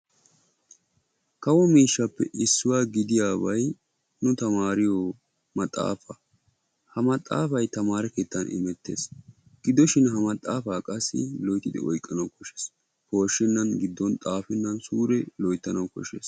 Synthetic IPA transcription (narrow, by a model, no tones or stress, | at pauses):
kɐwɔmiːʃːɐpːɛ̰ʔɪsːʊwaːɡɪd̪ɪjaːbɐj | nʊt̪ɐmaːɾɪjɔ | mɐt̪ʼːa̰ːfɐ | hɐmɐt̪ʼːa̰ːfɐjt̪ɐmaːɾɛkeːt̪ːɐnʔɪ̰mɛt̪ːe̞̰ːs | ɡ̥ɪd̪ɔʃɪnɦɐmɐt̪ʼːaːfaːkʼɐsːɪ̰lɔjt̪ːɪd̪ɪ̰ʔɔjkʼːɐnɐwkɔʃɛs | ho̞ːʃːɪnːɐnɡɪd̪ːɔnt̪ʼaːfɪnːɐnsuːɾɛlɔjt̪ːɐnɐwkɔ̰ʃḛːs